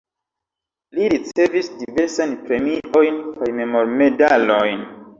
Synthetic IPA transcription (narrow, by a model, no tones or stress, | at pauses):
liɾit͡se̞visdive̞ɾsajnpɾe̞miʔo̞jnkajme̞mo̞ɾme̞dalojn